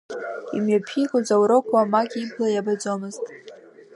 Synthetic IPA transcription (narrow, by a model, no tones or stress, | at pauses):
imɥapʰikʷʼazawɾɨkʷʰʼamakʲʼibʰlajabad͡zʷomɨztʼ